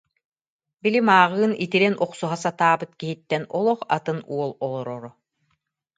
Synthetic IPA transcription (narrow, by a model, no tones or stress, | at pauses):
bilimaːʁɯːnit̪iɾɛnʔɔqsuɦasat̪aːbɯt̪kiɦit̪ːɛnɔlˠɔχa̰t̪ɯnuɔlˠɔlˠɔɾɔɾɔ